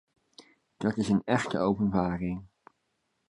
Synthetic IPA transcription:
d̥ɑtɪsənɛχtə̰owpənbaːrɪŋ

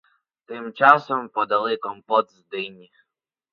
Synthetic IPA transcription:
t̪ɘmt͡ʂasɛmpɔd̪alɛkɔmpɔd̪zd̪ɘjɲʲi

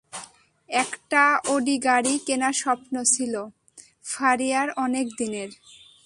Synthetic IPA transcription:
ɛkʈaoɖiɡaɽikenaʃɔpnot͡ɕʰilo | faɾijaɾɔnekd̪ineɾ

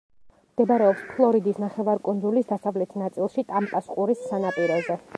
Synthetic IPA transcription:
md̪̥ɛbaɾɛɔpspʰlˠɔɾid̪isnaχɛvaɾkʼunzulisd̪asavlɛt̪ʰnat̪sʼilˠʃit̪ʼampʼasqʼuɾisːanapʼiɾɛzɛ

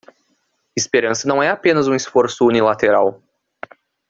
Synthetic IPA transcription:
ɪspeɾɐ̃sɐnɐ̃w̃ɛapẽnɐzũisfoɾsʊunilat̪eɾaw

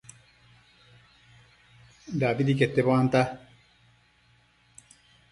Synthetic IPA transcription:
daːvidiketːeβwanta

